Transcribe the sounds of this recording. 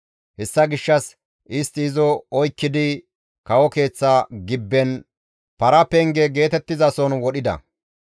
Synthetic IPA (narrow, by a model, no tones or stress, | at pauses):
hɛsːɐɡɪʃːɐs | ʔɪst̪ɪːzɔɔjkːɪd̪ɪ | kɐwɔke̞ːt͡sːaɡɪbːɛn | pɐɾɐpɛŋɡɛɡe̞ːt̪ɛt̪ːɪzɐsɔnwɔɗɪd̪ɐ̰